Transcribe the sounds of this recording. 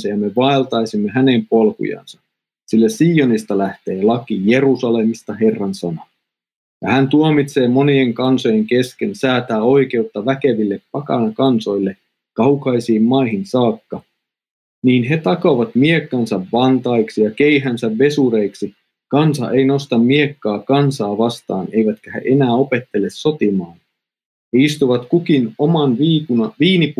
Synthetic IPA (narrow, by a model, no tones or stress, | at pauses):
sɑjɑme̞ʋɑelt̪ɑjsimːeɦæne̞mpo̞lkṵjɑ̰nsɑ | silːæsiːonist̪ɑlæht̪e̞ːlɑkije̞ɾusɑle̞mist̪ɑɦe̞rːɑnsɑnɑ | jɑ̰hænt̪uomit̪se̞ːmo̞nieŋkɑnso̞jeŋke̞ske̞nsæːt̪æːo̞jk̟e̞ut̪ːɑʋæke̞ʋilːeppɑkɑ̰nɑkɑnso̞jlːe | kɑukɑjsiːmːɑiɦinsɑːkːɑ | niːnɦe̞t̪ɑkoʋɑt̪miekːɑnsɑʋʋɑnt̪ɑiksijɑkeiɦænsæʋʋe̞suɾe̞iksi | kɑnsɑ̰ʔejno̞st̪ɑmːiekːɑːkɑnsɑːʋɑst̪ɑ̰ːne̞jʋæt̪kæhḛʔe̞næːo̞pe̞t̪ːe̞lːesːo̞t̪imɑːn | heist̪uʋɑt̪kukinomɑnʋiːkuʋiːnip